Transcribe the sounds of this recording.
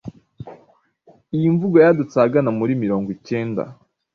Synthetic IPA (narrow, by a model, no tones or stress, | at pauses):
ijiɱvuɡojadut͡saːɡanamuɾimiɾo̞ːŋɡwice̞ːnda̰